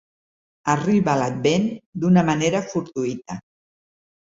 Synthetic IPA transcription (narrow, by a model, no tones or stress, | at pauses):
əriβalad̪̚bend̪unəmaneɾəfuɾt̪uit̪ə